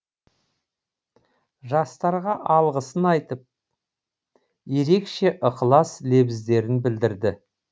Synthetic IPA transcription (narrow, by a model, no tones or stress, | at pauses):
ʒɑst̪ɑɾʁɑʔɑlˠʁəsənɑjt̪əp̚ | je̞ɾe̞kʃe̞ʔʊqʰəlˠɑsle̞bɪzd̪e̞ɾɪnbɪld̪ɪɾd̪ɪ